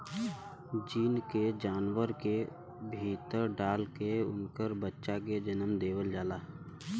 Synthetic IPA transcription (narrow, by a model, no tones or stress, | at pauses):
d͡ʒiːnked͡ʒaːnwəɾke | bʱiːt̪əɾɖaːlkeʊ̰nkəɾbətːʃak̬ed͡ʒənəmd̪eːwəld͡ʒaːlaː